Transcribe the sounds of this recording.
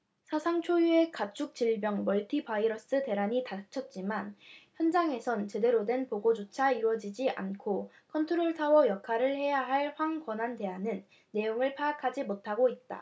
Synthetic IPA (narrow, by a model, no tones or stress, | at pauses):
sʰasʰaŋt͡ɕʰojue̞kat͡ɕʰuk̚t͡ɕiɭbjʌŋmʌɭtʰibaiɾʌs͈ɯte̞ɾaɲitat͡ɕʰʌt̚t͡ɕ͈imançjʌnd͡ʑaŋe̞sʰʌnt͡ɕe̞de̞ɾodwe̞npoɡod͡ʑot͡ɕʰaiɾwʌd͡ʑid͡ʑiʔa̰nkʰo | kʰʌntʰoɾoɭsʰawʌjʌkʰaɾɯɭhe̞jaɦaɭɸwaŋkwʌnande̞ɦanɯnː | e̞joŋɯɭpʰaakʰad͡ʑimotʰaɡoit̚t͈a̰